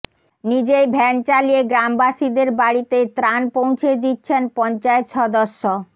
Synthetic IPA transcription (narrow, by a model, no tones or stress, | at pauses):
nid͡ʑejbʱɛnt͡ɕalieɡɾambaʃid̪eɾbaɽit̪et̪ɾanpow̃t͡ɕʰed̪itːɕʰenpɔnt͡ɕaet̪ʃɔd̪oʃːo